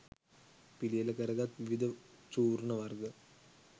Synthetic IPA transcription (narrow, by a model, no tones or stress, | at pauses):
pilijɐlɐkɐɾɐɡaːt̪ʋiʋid̪ɐt͡ʃuːɾnɐʋɐrɡɐ